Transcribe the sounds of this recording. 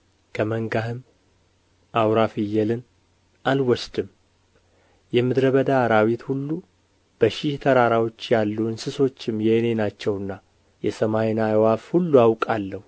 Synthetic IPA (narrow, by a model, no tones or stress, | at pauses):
kʰəməŋɡahɨm | ʔawɾafijːɛlɨn | ʔalwɔsd̪ɨm | jɛmɨd̪ɾəβəd̪aːɾawit̪hulːu | b̥əʃɪht̪ʰəɾaɾawo̞t͡ʃːjalːuɨnsɨso̞t͡ʃːɪmːjɛne̞nat͡ʃːɛwɨnːa | jɛsəmajnajwafhulːuawkʼalːəhu